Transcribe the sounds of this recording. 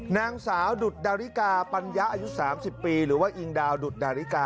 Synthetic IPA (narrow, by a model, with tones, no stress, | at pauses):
naː˧ŋsaː˩˦wdu˨˩t̪̚daː˧ɾi˦˥kaː˧pa˧nja˦˥ʔaː˧ju˦˥saː˩˦msi˨˩pːiː˧ɾɯː˩˦waː˥˩ʔi˧ŋdaː˧wdu˨˩t̪̚daː˧ɾi˦˥kaː˧